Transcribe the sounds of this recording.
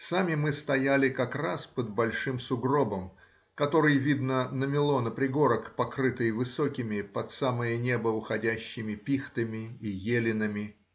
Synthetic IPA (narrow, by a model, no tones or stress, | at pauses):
samʲɪmɨst̪ɐjælʲɪkɐkraspəd̪̚bɐlʲʂɨmsʊɡro̞bəm | kɐt̪o̞ɾɨjvʲid̪nənəmʲɪlˠo̞nəpɾʲɪɡo̞ɾəkpɐkɾɨt̪ɨjvɨsokʲɪmʲɪpɐt̪saməjənʲe̞bəʊxɐdʲæɕːɪmʲɪpʲixt̪ɨmʲɪijelʲɪnəmʲɪ